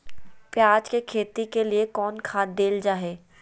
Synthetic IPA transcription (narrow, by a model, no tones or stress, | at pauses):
pjaːd͡ʒkekʰeːt̪ikeliekɔːnkʰaːd̪̚d̪eːld͡ʒaːɦeː